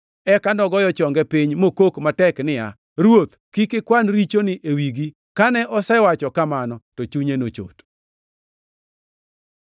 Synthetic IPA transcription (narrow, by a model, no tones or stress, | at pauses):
ɛkandɔɡɔjɔt͡ʃɔŋɡɛpiɲmokokmatɛknɪja | ɾwot̪kikɪkwanɾit͡ʃonɪʔewiɡi | kanɛʔɔsɛwat͡ʃɔkamanɔtot͡ʃuɲenot͡ʃo̰t